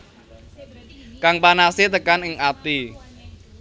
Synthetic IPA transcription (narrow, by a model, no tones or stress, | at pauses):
kaŋpanaset̪əkanɪŋat̪i